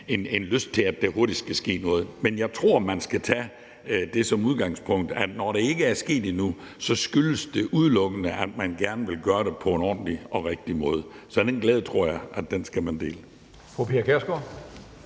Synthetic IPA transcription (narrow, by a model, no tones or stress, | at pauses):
e̝ne̝nløsd̥̚t͡sʰe̝læd̥eho̝ɐd̥isd̥ɡ̥ʰæsɡ̥e̝̰ːnɔ̽ːð̞̩ˠmenjɑ̈ɪt͡sʰʁo̝ɐ̰mænsɡ̥æt͡sʰæ | d̥e̝sɒ̽muð̞ˠɡ̥ɑ̈ŋspʰɔ̽ŋ̰d̥æd̥nɒɾ̥e̝e̝ɡ̥əæɐsɡ̥e̝̰ːd̥inu | sɒ̽sɡ̥yləsd̥e̝ʔuð̞ˠlɔ̽ɡ̥ənəʔæd̥mænɡ̥æɐnəʋe̝lɡ̥ɶːɐɾe̝pʰɒ̽enɒ̰ːn̩liɒ̽ʁeɡ̥̚d̥imɔ̽ːð̞ˠ | sɒ̽d̥enɡ̥lɛːð̞ˠət͡sʰʁo̝ɐ̰jɑ̈ɪʔædd̥ensɡ̥æmænd̥e̝̰ːlə | fopʰeɐkʰeɐsɡ̥o